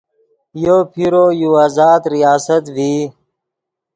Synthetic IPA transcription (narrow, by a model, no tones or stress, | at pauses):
joːpʰiɾojuaːzaːd̪ɾijaːsət̪viː